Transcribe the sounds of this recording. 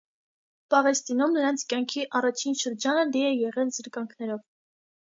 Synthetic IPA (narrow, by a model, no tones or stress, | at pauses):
pɑʁɛst̪inumnəɾɑnt͡sʰkjɑŋkʰiʔɑrɑt͡ʃʰinʃəɾd͡ʒɑnəliɛjɛʁɛlzəɾkɑŋkʰnɛɾɔv